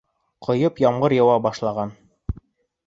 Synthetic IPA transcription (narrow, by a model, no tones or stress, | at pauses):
qʰŏjɤpjɑmʁɤɾjɑ̆wɑbɑʃlˠɑʁɑn